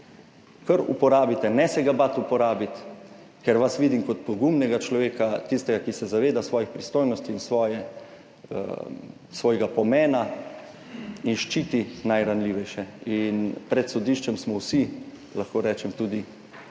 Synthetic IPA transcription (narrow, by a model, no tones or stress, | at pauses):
kəɾṵpɔɾaːbit̪ɛnɛsɛɡabat̪upɔɾaːbit̪ | kɛɾʋasʋiːd̪imkɔt̪̚pɔɡumnɛɡat͡ʃlɔʋeːkat̪ist̪ɛɡakisɛzaʋeːd̪asʋɔːjixpɾist̪oːjnɔst̪iinsʋɔːjɛ̰ | sʋɔːjɡapɔmɛːna | inʃt͡ʃiːt̪inajɾanliʋɛjʃɛinpɾɛt̪sɔd̪iʃt͡ʃɛmsmɔwsi | laxkoːɾɛːt͡ʃɛmt̪uːd̪i